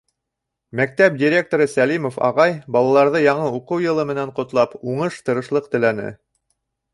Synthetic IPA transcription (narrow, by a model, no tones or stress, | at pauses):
mæk̚t̪æp̚dʲiɾʲek̚t̪oɾɤsælimofɑ̰ʁɑjbɑlˠɑlˠɑɾðɤjɑɴɤuqɤwjɤ̆lˠɤmɘ̆næɴqŏt̪lˠɑpuɴɤʃt̪ɤ̆ɾɤ̆ʃlˠɤqt̪ɘ̆lænɘ̰